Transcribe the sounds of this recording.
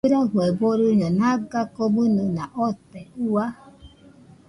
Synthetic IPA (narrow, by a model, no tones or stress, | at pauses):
eɾaɦʷeboɾuɲɔnaɡakobununaʔɔtɛua